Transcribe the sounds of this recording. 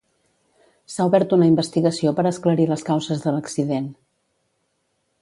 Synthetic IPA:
sauβɛɾt̪unəimbəst̪iɣəsiopəɾəskləɾiləskawzəzðələksiðen

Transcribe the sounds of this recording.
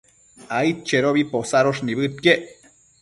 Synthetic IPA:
ait̪̚t͡ʃeɾoβiposaɾoʂniβɨt̪̚keʔ

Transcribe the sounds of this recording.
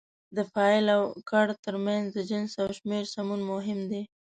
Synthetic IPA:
d̪əfɑɪlawkaɽt̪əɾmanzd̪əd͡ʒənsawʃmeɾsamunmʊɦɪmd̪e

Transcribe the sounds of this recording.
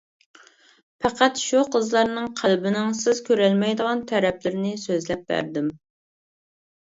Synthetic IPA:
pʰæqæt̪ʃuqʰəzlˠɑɾnɨŋqʰælbɪnɪŋsɪz̥kʲʰøɾɛlmɛjd̪əʁɑnt̪ʰæɾɛplɪɾɪnɪsøzlɛp̚bæ̰ɾd̪ɪm

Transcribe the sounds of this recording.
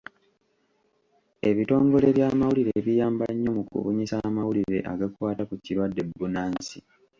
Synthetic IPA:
e̞βito̞ːŋɡo̞le̞βjaːmawuliɾeβijaːmbaɲːo̞mukṵβuɲisamawuliɾe̞ʔa̰ɡakwaːtakuciɾwadːe̞bːunaːnsi

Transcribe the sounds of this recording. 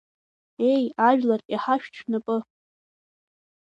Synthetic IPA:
e̞jaʒᶣlariħaʃᶣt͡ʃʰnapʼɨ

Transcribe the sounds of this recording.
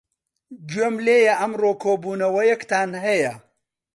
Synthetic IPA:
d͡ʒɥemleːjɐʔɐmroːkʰoːbuːnɐwɐjɐkt̪ʰaːnɦɐjɐ

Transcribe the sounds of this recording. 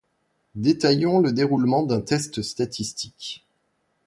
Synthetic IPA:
d̪et̪ajɔ̃ləd̪eʁulmɑ̃d̪ɛ̃t̪ɛst̪st̪at̪ist̪i̥k

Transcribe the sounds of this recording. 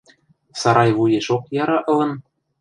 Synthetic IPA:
sɑɾɑjβujeʃokjɑɾɑʔɤ̆lɤ̆n

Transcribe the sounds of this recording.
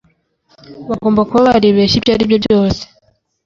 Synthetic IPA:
βaɡo̞ːmbakuβaβaɾiβeːʃibjaːɾibjobjo̞ːse̥

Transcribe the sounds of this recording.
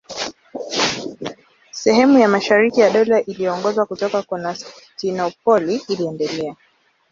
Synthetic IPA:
sɛhɛmujamaʃaɾikijaɗɔlaʔiliɔŋɡɔzwakutɔkakɔnas | tinɔp̚ɔliːliɛndɛlɛa

